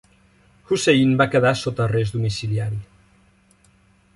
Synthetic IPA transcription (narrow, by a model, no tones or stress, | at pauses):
xuseinbakəðasot̪ərezd̪umisiliaɾi